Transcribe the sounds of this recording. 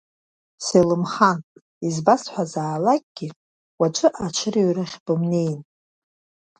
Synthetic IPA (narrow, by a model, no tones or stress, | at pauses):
selɨmχan | izbasħʷazaːlakʲʼɡ̥ʲɪ | wat͡ʃʷʰʼɨʔat͡ʃʷʰɨriɥrɨχʲbɨmnejn